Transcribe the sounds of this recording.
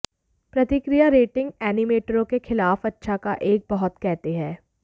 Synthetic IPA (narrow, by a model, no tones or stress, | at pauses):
pɾɐt̪ɪkɾijaɾeːʈɪ̃ŋɡ̚ɛːnɪmeːʈɾõkexɪlaːfɐtːʃʰakaʔeːk̚bɐɦʊt̪kɛɦt̪eɦɛ̃ː